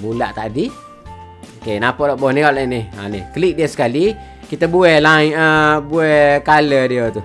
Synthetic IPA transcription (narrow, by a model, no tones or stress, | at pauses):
bulaʔt̪aʔdi | okenapɔʔlɔʔbɔhnikɔleniha̰nihkəliʔ̚diəsə̥kali | kit̪abuɛhlaiəbuɛkalədiət̪u